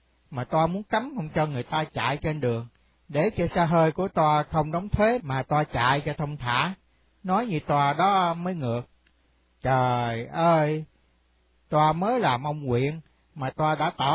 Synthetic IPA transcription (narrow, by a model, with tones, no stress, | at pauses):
maː˨˩t̪waː˧mu˨˦ənka˨˦mhə˧wŋ͡mt͡ɕɔ˧ŋɨ˨˩əjt̪aː˧t͡ɕa̰ː˧˨jt͡ɕe˧nɗɨ˨˩əŋ | ɗe˧˩t͡ɕɔ˧saː˧ɦəː˧jku˧˩ət̪waː˧xə˧wŋ͡mɗɔ˨˦wŋ͡mt̪ʰwe˨˦maː˨˩t̪waː˧t͡ɕa̰ː˧˨jt͡ɕɔ˧t̪ʰə˧wŋ͡mt̪ʰa̰ː˧˩˦ | nɔ˨˦jɲɨ˧t̪waː˧ɗɔ˨˦məː˨˦jŋɨ˨˩ək̚ | t͡ɕəː˨˩jʔəː˧j | t̪waː˧məː˨˦jlaː˨˩mʔə˧wŋ͡mkwḭ˧˨ən | maː˨˩t̪waː˧ɗa̰ː˧˥t̪ɔ˧˩